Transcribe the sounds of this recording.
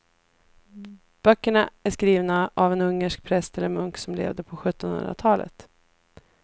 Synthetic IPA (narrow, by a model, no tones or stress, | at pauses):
b̥œkːəɳaæʂkɾiːvnaʔavɛnɵŋːəʂk̚pʰɾɛst̪ɛlːəɾmɵŋksɔmlḛːvd̪əpʰɔɧɵt̪ːɔnhɵ̰nd̪ɾa̰t̪ʰɑːlʔə̰t̪